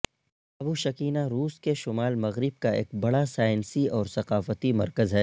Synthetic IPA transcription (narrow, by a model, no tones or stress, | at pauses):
ɐbuʃɐkiːnaɾuːskeʃʊmaːlmɐɣɾɪb̚kaḛːk̚bɐɽasaːɪnsiɔːɾsɐqaːfət̪imɐ̰ɾkəzɦɛː